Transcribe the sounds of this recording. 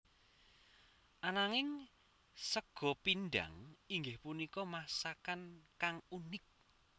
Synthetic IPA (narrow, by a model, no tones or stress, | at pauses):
ʔanaŋɪŋ | səɡ̥ɔ̤pinɖa̰ŋiŋɡɪhpunikɔmasakankaŋunɪk̚